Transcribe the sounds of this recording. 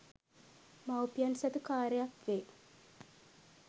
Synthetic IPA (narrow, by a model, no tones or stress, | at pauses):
mawpijansɐd̪ukaːɾejakʋe